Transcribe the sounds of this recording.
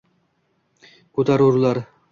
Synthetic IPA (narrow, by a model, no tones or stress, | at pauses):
kʰɵt̪ʰaɾuɾlaɾ